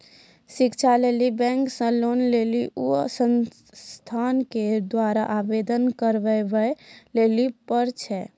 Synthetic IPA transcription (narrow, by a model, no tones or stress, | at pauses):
sikt͡ʃʰalelibɛ̃ŋksə̃lonleliʔusən | t̪ʰanked̪waɾaʔabed̪ənkəɾʋɛbɛlelipəɾt͡ʃʰɛ